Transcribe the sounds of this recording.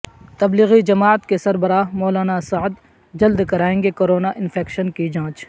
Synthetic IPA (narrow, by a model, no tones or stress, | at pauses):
t̪ɐbliɣid͡ʒɐmaːət̪kesɐɾbəɾaːɦmɔːlaːnasaʕd̪ | d͡ʒɐld̪kɐɾaːẽːŋɡekoːɾoːnaʔɪnfʰeːkʃənkid͡ʒãːt͡ʃ